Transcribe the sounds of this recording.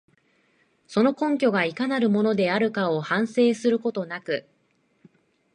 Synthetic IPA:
so̞no̞kõ̞ŋk̬ʲo̞ɡaikanaɾɯ̟mo̞no̞d̪e̞aɾɯ̟kao̞hãɰ̃se̞ːsɨɾɯ̟ko̞t̪o̞nakɯ̟

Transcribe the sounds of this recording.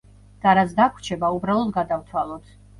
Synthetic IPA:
d̪̥aɾatsd̪akʰwt͡ʃʰɛbaubɾalˠɔd̪ɡad̪avt̪ʰwalˠɔt̪ʰ

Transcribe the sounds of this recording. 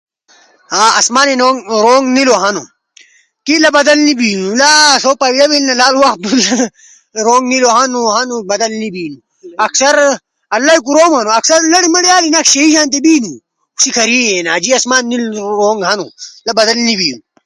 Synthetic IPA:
haːɐsmaːnenoːŋɾoːŋɡniloɦɐnṵ | kilɐbɐd̪ɐlnibiːnulasoːpaːilɐbilnɐlaːluwɐx̚d̪ul | ɾoːŋɡniloɦɐnuɦɐnubɐd̪ɐlnibiːnu | ɐksɐɾ | ɐlːaikuɾoːmɐnuɐksɐɾlɐɽimɐɽiaːlinakɕɐiʃaːnt̪̬ebiːnu | usikʰɐɾiːenaːd͡ʑiɐsmaːnːilɾoːŋɡɦɐnṵlɐbɐd̪ɐlnibiːnu

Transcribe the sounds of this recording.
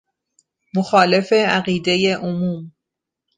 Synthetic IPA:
moxɒːle̞fe̞æɣiːd̪e̞jeʔomuːm

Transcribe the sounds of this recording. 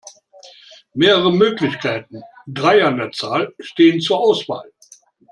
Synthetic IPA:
meːʁəʁəmøːklɪçkʰaɪtn̩ | dʁaɪandeːɐt͡saːlʃteːənt͡suːɐʔaʊsv̥a̰ːl

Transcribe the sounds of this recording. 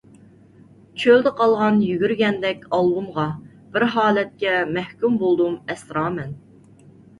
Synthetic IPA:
t͡ʃʰøld̪ɪqʰɑlˠʁɑnjyɡʲyɾɡʲɛnd̪ɛkʲɑlˠbumʁɑ | b̥ɪɾɦɑːlɛt̪̚kʲɛmɛhkʲymbolˠd̪umɛsɾɑːmɛn

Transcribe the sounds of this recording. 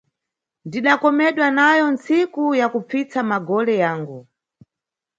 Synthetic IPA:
ndiɗakɔmɛɗwanajɔnt͡sikujakup͡fit͡samaɡɔlɛjaːŋɡu

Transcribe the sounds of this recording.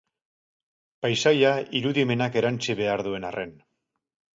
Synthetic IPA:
pajsajaiɾuðime̞nake̞ɾant͡siβe̞aɾðue̞narʔe̞n

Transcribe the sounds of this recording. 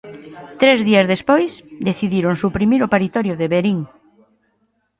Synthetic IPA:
t̪ɾezðiazðespojsd̪eθiðiɾoŋsupɾimiɾʊpaɾit̪ɔɾjʊðeβeɾiŋ

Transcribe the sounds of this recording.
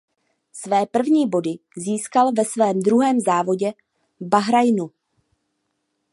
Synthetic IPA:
svɛːpr̩vɲiːbo̞dɪziːskalvɛsvɛːmd̪ɾuɦɛːmzaːvo̞ɟɛ | baɦɾajnu

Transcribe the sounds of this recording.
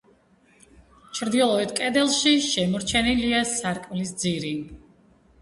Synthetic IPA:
t͡ʃʰɾd̪ilˠɔɛt̪ʰkʼɛd̪ɛlˠʃiʃɛmɔɾt͡ʃʰɛniliasaɾkʼmlisd̪ziɾi

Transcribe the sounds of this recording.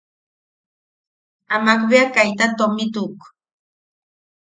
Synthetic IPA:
amakbeakajt̪at̪omit̪uk

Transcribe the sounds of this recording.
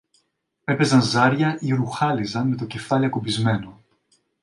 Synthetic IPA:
e̞pe̞zɐnzɐɾʝɐʔioɾuxɐlizɐnme̞t̪o̞ce̞fɐliɐkubizme̞no̞

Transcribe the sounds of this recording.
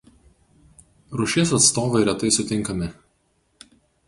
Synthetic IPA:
ɾʊʃʲeːsɐt̪st̪oːʋɐɪɾʲɛt̪ɐɪsʊt̪ʲɪŋˑkɐmʲɪ

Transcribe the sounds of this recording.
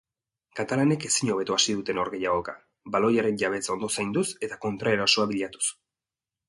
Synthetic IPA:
kat̪alane̞ke̞siɲo̞βe̞t̪uasiðut̪e̞no̞ɾɣe̞jaɣo̞ka | balo̞jaɾe̞nʝaβe̞t͡sao̞nd̪o̞sajnd̪use̞t̪ako̞nt̪ɾae̞ɾaso̞aβiʎat̪u̥s

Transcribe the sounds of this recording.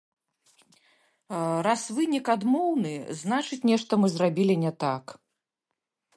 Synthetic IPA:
rasvɨnʲikad̪mɔwnɨznat͡ʂɨt͡sʲnʲɛʂt̪ɐmɨzrabʲilʲinʲɛt̪ak

